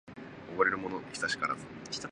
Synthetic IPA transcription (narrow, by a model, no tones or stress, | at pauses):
oboɾe̞ɾɯ̟mo̞nokʲi̥t̪aɕi̥ka̰ɾa̰kʲt̪a